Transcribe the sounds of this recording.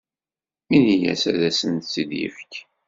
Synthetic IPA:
minijæ̰sæðæsənt̪sid̪jə̰fə̥k

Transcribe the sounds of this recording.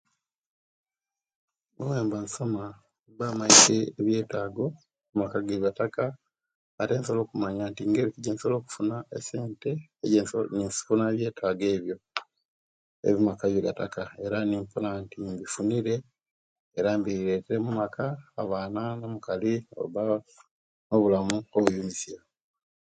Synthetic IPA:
mowe̞ːmbansoma | mbamaiseːβje̞ːtaːɡo̞ | mumakaɡeβjataka | ate̞ːnsoloːkumaɲantiŋɡeɾikiɟensolo̞ːku̥funaese̞ːnte̞ɟnisfunaeβje̞ːtʰaɡe̞ːβjo̞ | ḛβimakaβjoɡata̰kae̞ɾanimpulantimbifuniɾe̞ː | ɾambiiɾe̞teɾemumakʰaːβananomukalio̰uβa | no̞βulamuoβujumisia

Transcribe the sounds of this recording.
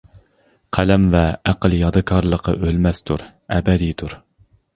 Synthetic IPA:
qʰælɛmvɛæqəlˠjɑd̪ɨkʰɑɾlˠəqɑ̰ʔølmɛst̪ʰuɾ | ɛbɛd̪it̪ʰuɾ

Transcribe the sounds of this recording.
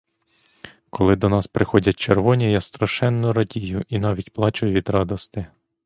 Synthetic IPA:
kɔlˠɪd̪ɔnɑspɾɪxɔdʲɐt̚ʲt͡ʃerʋɔnʲijɑst̪ɾɐʃɛnːʊɾɐdʲijʊʔinɑʋʲitʲplˠɑt͡ʃʊjʋʲid̪ɾɑd̪ɔst̪ɪ

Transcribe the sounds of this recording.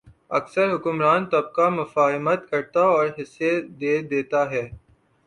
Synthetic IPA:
ɐksəɾɦʊkʊmɾaːnt̪ɐb̚kamɐfaːɦɪmət̪kɐɾt̪aɔːɾɦɪsːed̪eːd̪eːt̪aɦɛː

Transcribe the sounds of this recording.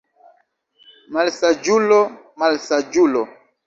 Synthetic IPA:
malsad͡ʒulo | malsad͡ʒulɔ

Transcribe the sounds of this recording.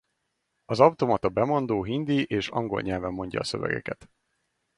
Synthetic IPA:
ɒzɒwt̪o̞mɒt̪ɒbɛmo̞nd̪oːɦind̪iʔeːʃɒ̰ŋɡo̞lɲɛlvɛmːo̞ɲɟɒ̰ːsøvɛ̰ɡɛ̰kɛt̪

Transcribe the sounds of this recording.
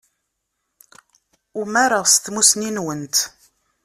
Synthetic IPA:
umæɾəʁst̪musninwənt̪

